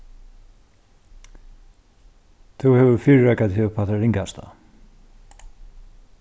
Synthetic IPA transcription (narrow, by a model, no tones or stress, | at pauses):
θuhɛvʏɾfiɾːakat̪hɛvʏpʰat̪aɾiŋkast̪a̰